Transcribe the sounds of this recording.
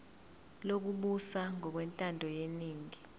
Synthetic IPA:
lok̬uɓusaŋɔk̬wɛntʼandʱɔjeniːŋi

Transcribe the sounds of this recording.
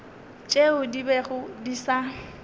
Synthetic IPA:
t͡ʃʼeʊdibɛɣʊdisa

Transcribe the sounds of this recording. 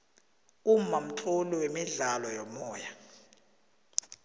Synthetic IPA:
um̩mam̩ǁʰuliwemiɮalɔjɔmɔːja

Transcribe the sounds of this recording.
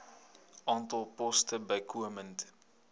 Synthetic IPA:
ʔɑːntɐlˠpɔstəbəjkuəmənt

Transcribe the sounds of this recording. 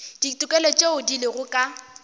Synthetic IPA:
d̥itʼʊkʼɛlɔt͡ʃʼeʊdilɪɣʊkʼa

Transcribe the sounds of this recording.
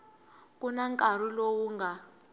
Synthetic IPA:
kʼunaŋkʼar̤ilowuŋɡʱa

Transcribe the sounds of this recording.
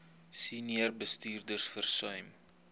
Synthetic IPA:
siniərbəstiːrdərsfərsœɥm

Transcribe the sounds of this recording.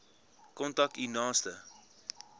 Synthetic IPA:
kɔntɐk̚tinɑːstə

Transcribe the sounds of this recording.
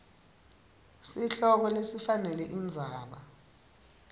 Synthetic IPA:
siɬɔkɔlesifanɛlɛʔind͡zʱaːɓa

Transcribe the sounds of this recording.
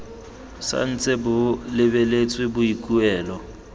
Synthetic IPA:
sa̰n̩t͡sʼɪbʊlɪbelet͡sʼwɪbʊikʼuɛːlɔ

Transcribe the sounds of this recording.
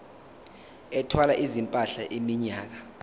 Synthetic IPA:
ɛtʰwalaʔizimpʼaɬaʔimiɲaːk̬a

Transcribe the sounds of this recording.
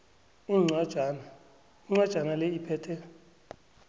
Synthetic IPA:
uŋ͡ǀḁana | uŋ͡ǀwad̥ʒ̥ʱanalɛipʰɛːtʰɛ

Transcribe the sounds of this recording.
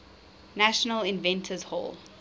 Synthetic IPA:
næʃənəlɪ̃nvɛ̃ntʰəzhɔ̰lˠ

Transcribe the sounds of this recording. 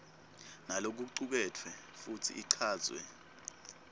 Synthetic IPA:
nalok̬uǀuk̬ɛtʰwɛ | futʰḭʔiǀʰaːzʱʼwɛ̰

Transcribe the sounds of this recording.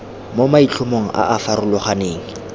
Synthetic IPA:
momait͡ɬʰʊmoŋ̩ʔa̰ʔafarʊlʊχaneːŋ̩

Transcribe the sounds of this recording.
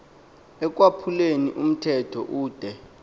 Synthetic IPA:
ɛk̬ʼwapʰulenḭʔum̩tʰɛtʰɔ̰ʔuːd̥ʱɛ

